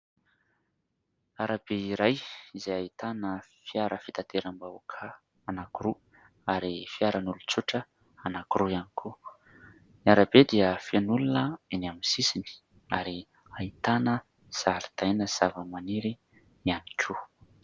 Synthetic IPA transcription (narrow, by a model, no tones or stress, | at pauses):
aɾabeiɾajizejait̪anəfijaɾəfit̪at̪eɾambaukʰa | anakuɾu | aɾifiaɾənulut͡suʈ͡ʂə | anakuɾujanikʰu | niaɾabed̪iəfianulunəenaminsisini̥ | aɾi | ait̪anə | z̥aɾit̪ajnəz̥avəmaniɾi | ianikʰu